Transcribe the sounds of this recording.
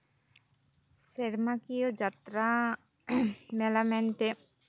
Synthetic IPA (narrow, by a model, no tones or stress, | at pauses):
seɾmakiod͡ʑat̪ɾa | mɛlamɛnte